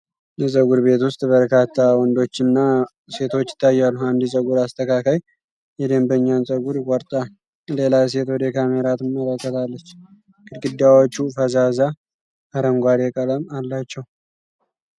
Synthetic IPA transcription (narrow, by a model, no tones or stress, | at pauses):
jɛsʼəɡuɾbe̞t̪wʊst̪ʼbəɾkat̪ʰːawɔnd̪o̞t͡ʃːɪnːa | se̞t̪ʰo̞t͡ʃːɪ̥t̪ʰːajːalːuand̪isʼəɡuɾast̪ʰəkakaj | jɛd̪əmbəɲːansʼəɡuɾkʼɔɾt̪ʼa | le̞lajs̬e̞t̪wɔd̪ɛkʰameɾat̪ɨmːələkːət̪ʰalːət͡ʃː | ɡ̥ɨd̪ɡɨd̪ːawot͡ʃːufəzaza | ʔaɾəmɡʷad̪ekʼələmalːat͡ʃːɛw